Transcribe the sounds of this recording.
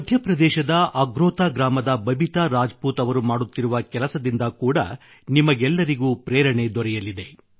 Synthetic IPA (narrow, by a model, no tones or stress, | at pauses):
mɐd̪ʱjɐpɾɐd̪ɛːʃɐd̪ɐʔɐɡɾoːt̪aːɡɾaːmɐd̪ɐbɐbit̪aɾaːd͡ʒɐpuːt̪ɐʋɐɾumaːɽut̪ːiɾuʋɐkɛlɐsɐd̪ind̪ɐkuːɽɐ̰ | nimɐɡɛlːɐɾiɡuːpɾɛːɾɐɳed̪ɔɾɛjɐlid̪e̞